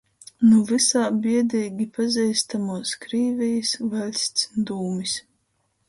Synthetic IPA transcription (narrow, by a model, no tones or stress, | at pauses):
nuvɨsaːbʲiɛd̪ɛjɡʲipazʲɛjst̪amuɔskɾiːvʲɛjisvalʲsʲt̪sd̪uːmis